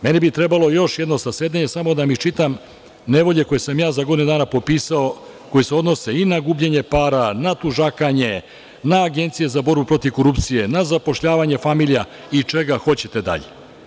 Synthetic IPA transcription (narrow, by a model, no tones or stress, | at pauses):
me̞nibit̪ɾe̞balˠo̞jo̞ʃje̞d̪no̞saseːd̪eɲe̞samo̞d̪amit͡ʃit̪am | ne̞ʋo̞ʎe̞ko̞jesamjaːzaɡo̞d̪inud̪aːnapo̞piːsao | ko̞jiseo̞d̪no̞se̞inaɡuːbʎeɲe̞paːɾanat̪uʒakaɲe̞ | naːɡe̞nt̪sije̞zabo̞ɾbupɾo̞t̪iʋko̞ɾupt̪sije̞nazapo̞ʃʎaːʋaɲe̞famiʎija | it͡ʃe̞ɡaxo̞t͡ɕe̞t̪e̞d̪a̰ʎe